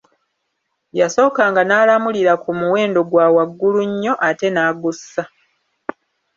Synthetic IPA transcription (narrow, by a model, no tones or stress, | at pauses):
jaso̞ːkaːŋɡanaːlamuliɾakumuwe̞ːndo̞ɡwaːwaɡːuluɲːo̞ʔate̞naːɡusːa